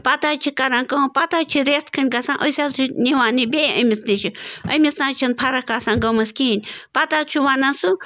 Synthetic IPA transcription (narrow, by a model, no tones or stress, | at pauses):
pɐt̪aːt͡ʃʰikɐɾakɐ̃pat̪at͡ʃʰiɾest̪kʰɐnʲɡasãːʔosʲaːt͡ʃʰunʲiʋaːnibeɐ̰mʲisniʃʰiɐ̰misãːt͡ʃʰinpʰɐɾɐkasãːnɡɐmɐskinʲpɐt̪at͡ʃʰuʋanasu